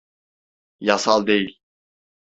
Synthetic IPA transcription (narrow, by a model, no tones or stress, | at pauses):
jasalˠd̪ejilʲ